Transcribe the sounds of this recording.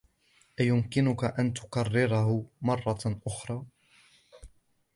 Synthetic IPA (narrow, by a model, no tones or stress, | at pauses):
ʔajʊmkɪnʊkaʔant̪ʊ̥kɑrːɪɾɑhʊmɑrˤːɑʔʊxɾˤɑː